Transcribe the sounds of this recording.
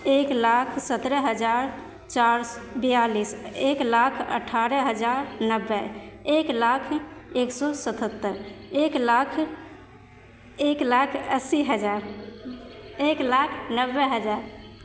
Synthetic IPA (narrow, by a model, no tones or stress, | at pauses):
eklakʰsət̪ɾəɦəd͡ʒaɾ | t͡ʃaɾsbəjaliseklakʰə̰ʈʰaɾəɦəd͡ʒaɾnəbːɛeklakʰeksɔsət̪ət̪ːəɾeklakʰ | eklakʰəsiɦəd͡ʒaɾ | eklakʰnəbːɛɦəd͡ʒaɾ